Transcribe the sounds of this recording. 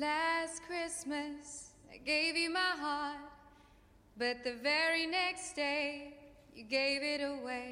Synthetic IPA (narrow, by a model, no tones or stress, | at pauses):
læskʰɹ̥ɪsmɨs | aɪɡeɪvjɨmaɪɦɑɹt̚ | b̥ʌt̪̚ðɨvɛɹinɛksd̥eɪ | jɨɡeɪvɪɾəweɪ